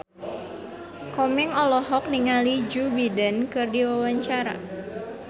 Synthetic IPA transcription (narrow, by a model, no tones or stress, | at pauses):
kɔmɛŋɔlɔɦɔk̚niŋalid͡ʒubidankɨrdiwawaɲt͡ʃaɾa̰